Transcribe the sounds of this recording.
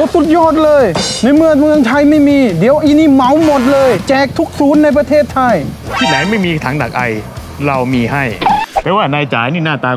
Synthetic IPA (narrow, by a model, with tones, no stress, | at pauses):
ʔoː˦˧˩su˨˩t̪̚jɔː˥˩t̪̚lɤː˧jna˧˩jmɯ˧əŋmɯ˧əŋt̪ʰa˧jma˥˩jmiː˧di˨˩˦əwʔiː˧niː˧˩ma˨˩˦wmo˨˩t̪̚lɤː˧jt͡ɕɛː˨˩k̚t̪ʰu˦˥k̚suː˨˦˥nːa˧jp̬ɾa˧t̪ʰeː˥˩t̪ʰːa˧jt̪ʰiː˥˩na˨˦jma˥˩jmiː˧t̪ʰaː˩˦ŋda˨˩k̚ʔa˧j | ɾa˧wmiː˧ɦa˥˩jpʰɛː˧˥waː˥˩naː˧jt͡ɕa̰ː˩˦jniː˥˩naː˥˩t̪aː˧